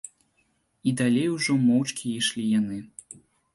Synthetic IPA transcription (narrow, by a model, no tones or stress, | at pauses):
id̪alʲejuʐɔmɔwt͡ʂkʲiiʂlʲijanɨ